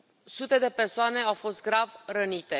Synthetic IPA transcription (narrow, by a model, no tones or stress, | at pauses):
sut̪e̞d̪e̞pe̞rsoane̞awfo̞st̪̚ɡɾavɾənit̪e̞